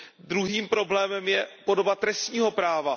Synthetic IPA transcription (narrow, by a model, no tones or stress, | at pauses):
d̪ɾuɦiːmpɾo̞blɛːmɛmjɛpo̞do̞bat̪ɾɛst̪ɲiːɦo̞pɾaːva